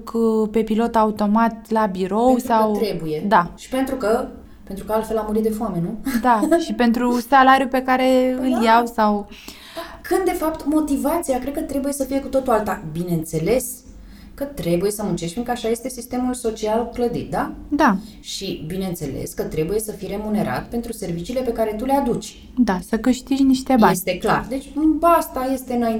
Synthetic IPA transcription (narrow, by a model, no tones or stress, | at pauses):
kpe̞pilo̞t̪aut̪o̞mat̪labiɾo̞wwssaw̪ɾebujed̪aʃi̥pe̞nt̪ɾukə | pe̞nt̪ɾukəalt̪fe̞lamuɾit̪̚d̪e̞foame̞nud̪aʃipe̞nt̪ɾusalaɾjupe̞kaɾe̞ɨljawsaw | kɨnd̪d̪e̞fapt̪mo̞t̪ivat̪siakɾed̪̚kət̪ɾe̞buje̞səfije̞kut̪o̞t̪ualt̪abine̞ɨnt̪se̞le̞s | kət̪ɾe̞buje̞səmunt͡ʃeʃt̪fʲĩŋkəaʃaje̞st̪e̞sist̪e̞mulso̞t͡ʃialkləd̪ḭt̪̚d̪ad̪a | ʃibine̞ɨnt̪se̞̰lḛskət̪ɾe̞buje̞səfijɾe̞mune̞ɾa̰t̪pe̞nt̪ɾuse̞rvit͡ʃiːle̞pe̞kaɾe̞t̪ule̞ad̪ut͡ʃʲ | d̪asəkɨʃt̪iʒniʃt̪ebaest̪ekla̰rd̪e̞t͡ʃʲbast̪aje̞st̪e̞ɨnain